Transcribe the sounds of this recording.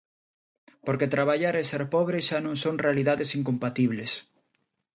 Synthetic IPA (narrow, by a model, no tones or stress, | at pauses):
poɾket̪ɾaβaʎaɾeseɾpɔβɾeʃanõŋsoŋrealiðaðesiŋkõmpat̪iβles